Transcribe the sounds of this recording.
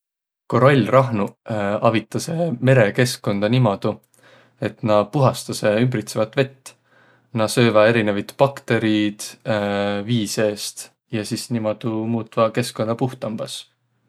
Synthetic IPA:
ko̞ɾolʲrɑɦnuɑvit̪ːˑɑse̞me̞ɾe̞ke̞skːo̞nd̪̥ɑnimɑd̪̥u | e̞t̪nɑpuɦɑst̪ɑse̞ymbɾit̪sevɑt̪ːˑve̞t̪ː | nɑsø̞ːvɑe̞ɾinevɑt̪pɑkt̪e̞ɾid̪̥ | viːse̞ːst̪ | jɑsisnimɑd̪̥umuːt̪ˑvɑke̞skːond̪ɑpuht̪ˑɑmb̥ɑs

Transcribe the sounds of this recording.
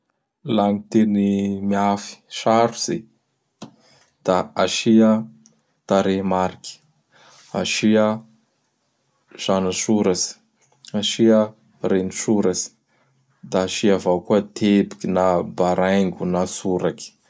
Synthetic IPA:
laŋit̪enimiafi̥ʃaɾuz̥e | d̪̥aaʃia | t̪aɾemaɾikʲi̥ | aʃia | z̥anasuɾazi̥ | aʃia | renisuɾazi̥ | d̪aːʃiavakuət̪ʰebi̥kʲinabaɾʔajŋɡunasuɾaki̥

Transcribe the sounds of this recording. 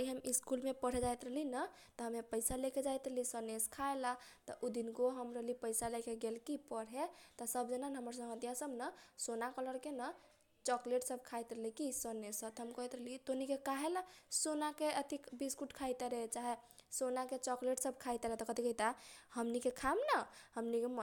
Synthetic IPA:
iɦəmiskulmepəɽ̤ɦed͡ʒajt̪ɾəlinə | t̪ɔɦəmepəɪsaleked͡ʒajt̪ɾəlisəneskʰaelat̪ɔʔud̪inɡoɦəmɾəlipəɪsalekeɡelkipəɽɦet̪ɔsəbd͡ʒənanɦəməɾsə̃ɦəd̪jasəbnəsonakələɾkenə | t͡ʃɔkleʈsəbʱkʰajt̪ɾəlikisənesət̪ɦəmkɔɦit̪ɾəlit̪onikekaɦelasonakeʔət̪ikbiskuʈkʰajt̪ɾet͡ʃaɦesonaket͡ʃɔkleʈsəbkʰajt̪ɾɛt̪ɔkət̪ikəit̪ahəmnikekʰamnəhəmnikem

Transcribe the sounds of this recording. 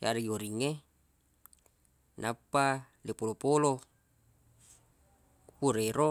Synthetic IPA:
jaɾiɡioɾiŋːe | napːa | lepolopolo | puɾeɾo

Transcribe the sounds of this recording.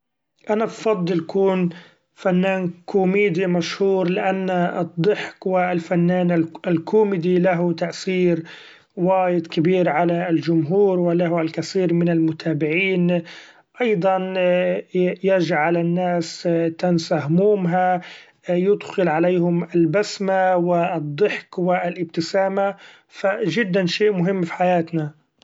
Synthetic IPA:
ʔanabfɑd̪ˤːɨljkuːn | fanːaːnkʰuːmiːd̪imaʃhuːɾlɪʔanːad̪ˤːɨħkwɪlfanːaːnaɪlkʰumɪd̪ilaɦʊt̪aʔsiːɾ | waːjɪd̪kɪbiːɾʕalald͡ʒʊmɦuːɾwɪlaɦalkaθiːɾmɪnalmʊt̪ʰaːbɪʕiːn | ʔɑjd̪ˤɑn | jaʒʕalanːaːst̪ansaɦʊmuːmɦa | jʊd̪xɪlʕalejhʊmɪlbasmawɪd̪ˤːɪħkwɪlʔɪb̚t̪ɪsaːma | faʒɪd̪ːanʃeːʔmʊɦɪmːfi̥ħajaːt̪na

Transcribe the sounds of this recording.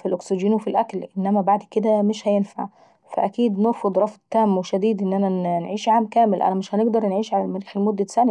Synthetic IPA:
filʔoksiɡiːnwefilʔæklʔɪnːæmæbaʕd̪ked̪æmeʃhæjenfa̰ʕ | fæʔækiːd̪noɾˤfod̪ˤɾˤɑfd̪t̪æːmweʃæd̪iːd̪ʔɪnːʔænænʕiːʃʕaːmkæːmɪlʔæ̰næmɪʃhæneɡd̪ɑɾˤnʕiːʃʕalælmæɾiːxelmod̪ːæsæn

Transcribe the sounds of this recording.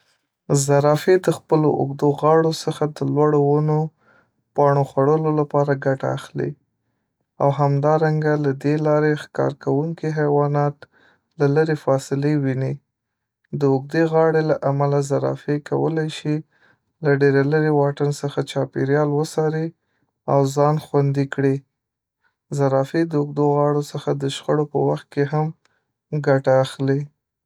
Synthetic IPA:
zaɾɑfed̪əxpəloʔʊ̰ɡd̪oɣɑɽosəxad̪əlwaɽowano | pɑɳ̃oxwaɽəlolapɑɾaɡaʈaːxlḭ | a̰wɦamd̪ɑɾaŋɡalad̪elɑɾexkɑ̰ɾkawuŋkiɦawɑnɑt̪ | laləɾefɑsɪlewini | d̪əʊɡ̚d̪eɣɑɽelaʔamalazaɾɑ̰feka̰wə̰lajʃi | laɖeɾaləɾewɑʈənsəxat͡ʃɑpeɾjɑlwəsɑɾi | awzɑnxwand̪ikɽi | zaɾɑfed̪əʊɡ̚d̪oɣɑɽosəxad̪əʃxəɽopə̰waxt̪̚keɦam | ɡaʈaːxli

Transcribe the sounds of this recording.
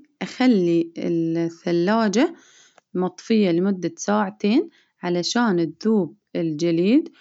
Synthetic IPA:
ʔaxalːiɪ̰lθːalːaːd͡ʒa | mɑt̪ˤfɪjːalɪmʊd̪ːasaːʕat̪eːn | ʕalaʃaːnɪðːuːb̚ɪld͡ʒaliːd̪

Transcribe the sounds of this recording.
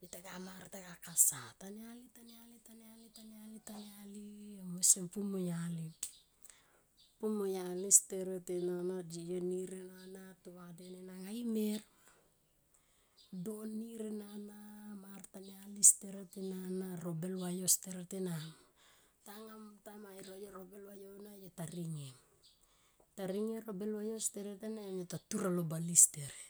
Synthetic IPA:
itaɡamaɾtaɡakasatanealitanalitanealitanealitanealiamesempumojali | pumojalisteɾetenanad͡ʒijoniɾenanatoadenenaŋajmeɾ | donːiɾenanamartanealisteɾetenanaɾobelwajosteɾetenam | taŋamtamajɾojoɾobelwajonajotaɾiŋe | taɾiŋeɾobelwajosteɾetenamjotatuɾalobalisteɾ

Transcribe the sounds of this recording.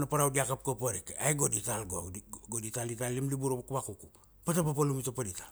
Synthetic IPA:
napaɾawdiakap̚kopoɾikajɡoditalɡoɡoditalitalːimlibuɾobkubakuku | patapapalumitapaditḁ

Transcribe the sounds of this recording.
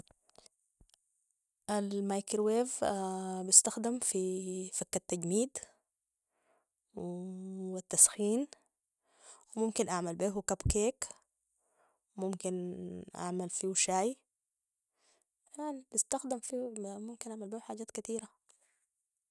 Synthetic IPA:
ʔalmajkɾweːvbɪst̪axd̪amfifakːat̪ːaɟmiːd̪ | w | at̪ːasxiːn | wɪmʊmkinʔaʕmalbeːɦukabkeːk | wmʊmkinʔa̰ʕmalfiːwʃaːj | anbist̪axd̪amfimumkinʔaʕmalbeːhuħaːɟaːt̪kat̪iːɾa

